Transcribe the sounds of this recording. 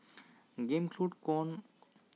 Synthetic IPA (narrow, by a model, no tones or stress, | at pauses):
ɡemkʰluɖkon